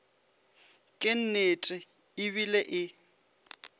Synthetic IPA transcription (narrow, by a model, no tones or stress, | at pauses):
kʼɪn̩netʼɪ | ɪβileʔɪ